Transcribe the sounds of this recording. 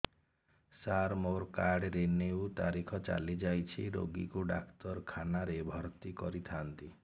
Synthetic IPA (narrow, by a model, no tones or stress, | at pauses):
saɾmoɾkaɽɾenewt̪aɾikʰɔt͡ʃa̰lid͡ʒajt͡ʃʰiɾo̰ɡḭkuɖa̰kt̪ɔɾkʰanaɾebʱɔɾt̪ikɔɾit̪ʰant̪i